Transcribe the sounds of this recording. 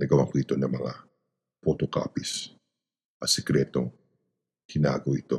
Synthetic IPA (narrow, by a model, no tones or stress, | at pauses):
nɐɡɐwɐ̰ŋkoɪt̪o̞nɐŋmɐŋa̰ | pot̪oka̰ːpis | ʔɐsɛkɾɛːt̪o̞ŋ | kɪna̰ːɡoʔɪt̪o̞